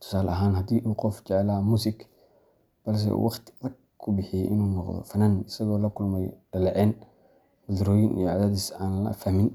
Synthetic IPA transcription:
t̪ʰʊ̥saːlɐɦaːnhɐd̪iːʔuqɔfd͡ʒɛʕlaːmuːsik | b̥ɐls̬ɛ̰wʔɑxt̪rɐɡ̚ | kʰʊbɪħiʔɪnunɔqðɔ̰fɐnanɪsɐɣɔːlɐkʊlmɐjd̥ɐlɛʕɛn | wʊd̪ɾoːjinḭjɔʕad̪aːd̪ɪsaːnlɐ̰fɐhmɪn

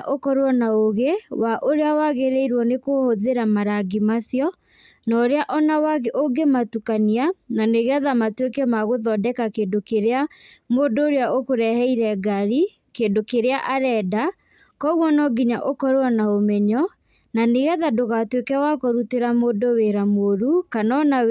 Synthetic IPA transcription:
ʔokɔɾwɔnaoɣewaʔoɾeawaɣeɾɛiɾwɔnekohoðeɾamaɾaɡimasjɔ | nɔɾeaʔɔnawaɣeʔoɡematukaniananeɣeaðamatwekɛmaɣoðɔdɛkakeːndokeɾeamoːdoːɾeaʔokoɾɛhɛiɾɛɡaɾi | kendokeɾeaʔaɾɛda | kɔɣwɔnɔɡiɲaʔokɔɾoɔnaomɛɲɔ | naneɣaðadoɣatwekɛwakɔɾuteɾamodoweɾamoɾukanɔna

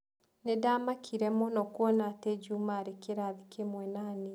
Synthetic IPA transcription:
nedamakʰiɾɛmɔnɔkwɔnated͡ʒumaɾekeɾaːðikemwɛnane

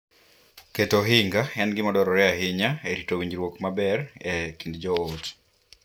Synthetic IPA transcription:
ketoɦiŋɡaɛnɡɪmɔdɔɾɔɾɛaɦɪɲaeɾitowiɲd͡ʒɾwokmabɛɾekindd͡ʒɔot

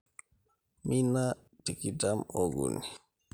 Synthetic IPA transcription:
mina | tikitamoɡṵni

